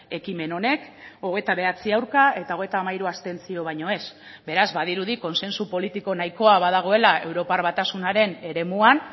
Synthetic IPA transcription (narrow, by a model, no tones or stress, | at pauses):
e̞kime̞no̞ne̞ko̞ɣe̞jt̪aβe̞at͡siawɾkae̞t̪ao̞ɣ̞e̞jt̪aːmaiɾuast̪e̞nt͡sio̞β̞aɲo̞e̞s | be̞ɾazbað̞iɾuðiko̞nse̞nsupo̞lit̪iko̞najko̞aβað̞aɣ̞o̞e̞lae̞wɾo̞parβat̪asunaɾe̞ne̞ɾe̞muan